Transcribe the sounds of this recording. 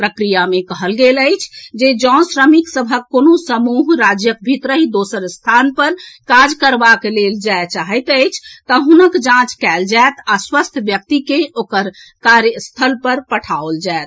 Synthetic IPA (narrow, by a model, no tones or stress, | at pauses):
pɾəkɾijamekəɦəlɡeləɪt͡ʃʰd͡ʒed͡ʒɔ̃sɾəmiksəbʱəkːonosəmuɦɾad͡ʒjək̚bʱit̪ɾəɦid̪osəɾst̪ʰanpəɾkad͡ʒkəɾbakeleld͡ʒaet͡ʃaɦəjt̪əɪt͡ʃʰt̪əɦunəkd͡ʒãt͡ʃkɛld͡ʒaet̪aswəst̪ʰbjək̚t̪ikeokəɾ | kaɾjəst̪ʰəlpəɾpəʈʰaold͡ʒaet̪